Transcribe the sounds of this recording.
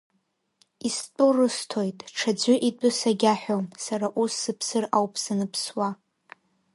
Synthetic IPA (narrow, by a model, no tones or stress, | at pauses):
istʼʊrɨstʰo̞jtʼʈ͡ʂʰad͡zʷʏʔidʼʊsaɡʲaħᶣomsaɾaʔusːɨpʰsɨrawpʰʼsanɨpʰswa